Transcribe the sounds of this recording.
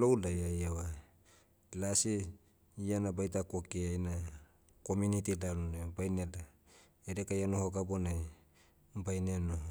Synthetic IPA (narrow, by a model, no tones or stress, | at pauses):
lowlajajawa | lasi | ianabajtakokiajna | ko̞munitilalunebajnela | eɾekajanohoɡabonaj | bajnenoh